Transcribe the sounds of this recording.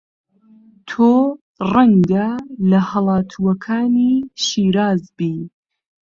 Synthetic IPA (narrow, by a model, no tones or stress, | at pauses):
t̪ʰoː | rɐŋɡɐlɐhɐlˠɑːt̪ʰuɐkʰaːniʃiːɾaːzbiː